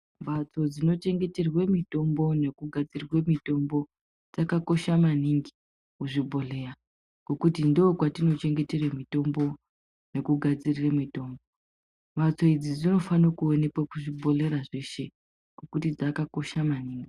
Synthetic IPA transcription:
mbat͡so̞d͡zino̞t͡ʃe̞ŋɡe̞te̞rwe̞mito̞mbo̞ne̞kuɡʱad͡zirwe̞mito̞mbo̞ | d͡zakako̞ʃamaniŋɡi̥ | kuʐibʱo̞le̞ːra | ɡ̥o̞kutindoːkwatino̞t͡ʃe̞ŋɡe̞te̞remito̞mbo̞ | ne̞kuɡʱad͡ziriramito̞ːmbo | bat͡so̞id͡zid͡zino̞fanokuone̞pwakuʐibʱo̞le̞ɾaʐe̞ʃe̞ | ɡ̥okutid͡zakako̞ʃamaniːŋɡi

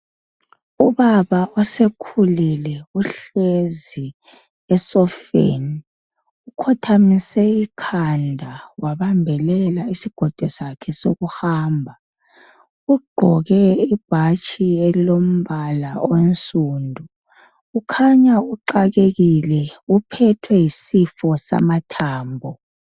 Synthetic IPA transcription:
uβaβaɔsekʰulilɛuɬezi | ɛsɔfḛni | ukʰɔtʰamisɛikʰandʱawaβambʱɛlɛlaisiɡ̥ʱɔd̥ʱwɛsakʰɛsoɣuhaːmbʱa | uɡ͡ǃʱɔɣɛib̥ʱat͡ʃʰʼielilom̩βalaonsʼuːndʱuː | kʰaɲauǃaɣeɣilɛupʰɛtʰwɛjisifɔsa̰matʰaːmbʱɔ

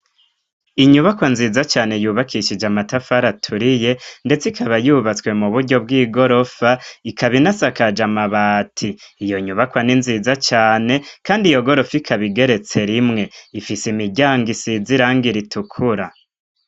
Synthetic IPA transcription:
iɲuβakwanziːzat͡ʃaːnejuːβakʰiʃid͡ʒamatafaɾatʰuɾije̞nde̞t͡sikʰaβajuːβat͡swe̞muβuɾɟo̞b̚ɡiːɡo̞ɾo̞faikʰaβinasakad͡ʒamaβatʰiːjo̞ɲuβakwaninziːzat͡ʃaːne̞kaːndijo̞ɡo̞ɾo̞fikʰaβiɡe̞ɾe̞t͡se̞ɾimŋe̞ifisimiɟaːŋɡisiziɾaːŋɡiɾitʰukʰuɾa

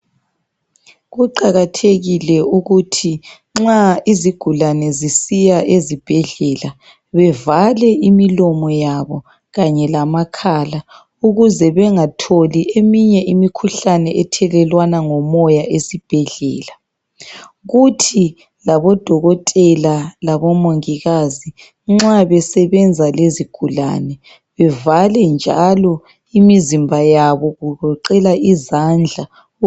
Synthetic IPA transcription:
ɣuǃaɣatʰeɣilɛuɣutʰi | ŋ͡ǁaiziɡ̥ʱulanɛzisijaʔezib̥ʱɛɮɛla | βɛvalɛimilɔmɔjaβɔ | ɣaɲɛlamakʰaːla | uɣuzɛβɛŋatʰoliʔemiɲɛʔimikʰuɬanɛʔɛtʰɛlɛlwanaŋɔmɔjaʔesib̥ʱɛɮɛ̰ːla | ɣutʰi | laβɔd̥ʱɔɣɔtʼɛlalaβɔmoŋiɣazi | ŋ͡ǁaβɛsɛβɛnd͡zʱaleziɡ̥ʱula̰nɛ | βɛvalɛnd͡ʒʱa̰lɔ | imizimbʱajaβɔɣuɣɔǃɛlaizand͡ɮʱa

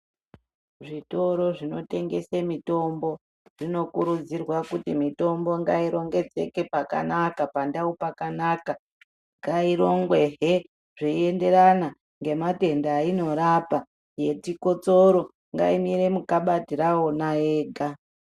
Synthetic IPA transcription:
ʐito̞ɾo̞ʐino̞te̞ŋɡe̞semito̞mbo̞ | ʐ̥ino̞kuɾud͡zirwakutimito̞mbo̞ŋɡaiɾo̞ŋɡe̞d͡ze̞ke̞paka̰nakapandaupakanaka | ŋɡaiɾo̞ŋɡwe̞ɦe | ʐ̥iie̞nde̞ɾana | ŋɡe̞mate̞ndaːino̞ɾapa | je̞tiko̞t͡soɾo̞ | ŋɡa̰imiɾe̞mukaɓatiɾaonaeːɡʱa

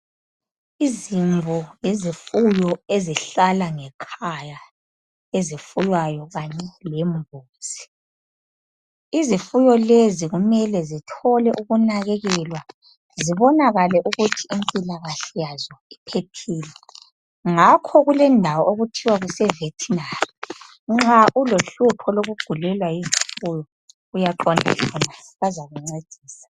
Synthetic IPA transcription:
iziɱvʱɔjezifujɔeziɬalaŋɛkʰaja | ezifujwajɔɣaɲɛlɛmbʱuːz̥i̥ | izifujɔleziɣumɛlɛzitʰɔlɛʔuɣunaɣeɣilwa | ziβɔnaɣalɛʔuɣutʰiimpʼilaɣaɬɛjazɔipʰetʰiːlɛ | ŋakʰɔɣulɛndʱawɔoɣutʰiwaɣusɛvetʰinari | ŋ͡ǁaʔuloɬupʰɔloɣuɡ͡ǃ̥ʱulɛlwajizifujɔ | ɣujaǃɔndʱa̰kʰɔnaβazaɣuŋ͡ǀed̥ʱiːsḁ

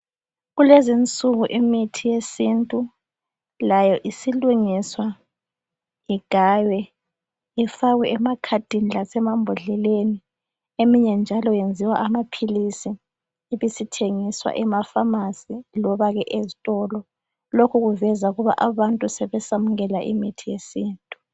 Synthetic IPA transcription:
ɣulezint͡sʼuɣuʔimitʰijesintʼu | lajɔʔisiluŋiswa | iɡ̥ʱaːjwɛ | ifaɣwɛʔɛmakʰad̥ʱinilasɛmambʱɔɮɛleni | emiɲɛnd͡ʒʱalɔjend͡zʱiwaʔamapʰilisiː | βisitʰeŋiswa̰ʔɛmafamasilɔβaɣɛʔezitʼɔlɔ | lokʰuɣuvɛzauɣuβa̰ʔaβantʼusɛβɛsamuɣɛlaʔḭmitʰijesiːntʼu̥

